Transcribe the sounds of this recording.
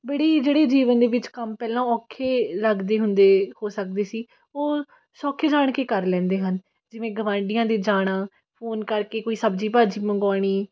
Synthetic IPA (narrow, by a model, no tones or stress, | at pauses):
bəɽiːd͡ʒeːɽeːd͡ʒiːʋənd̪eːʋɪt͡ʃkəmpɛːlãːɔːkʰːeːləɡd̪eːɦʊnd̪eːhoːsək̚d̪eːsiː | oː | sɔːkʰed͡ʒaːɳkeːkəɾlɛ̃ːnd̪eːɦən | d͡ʒɪʋẽːɡəʋãːɳɖɪjãːd̪eːd͡ʒaːɽ̃ãː | pʰoːnkəɾkeːkoːiːsəbd͡ʒiːpaːd͡ʒiːməŋɡaːɽ̃iː